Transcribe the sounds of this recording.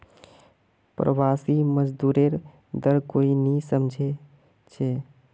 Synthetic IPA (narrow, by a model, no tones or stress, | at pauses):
pɾə̰basiməd͡ʒd̪uɾeɾ | d̪əɾkoinisəmd͡ʒʱe | t͡ʃʰe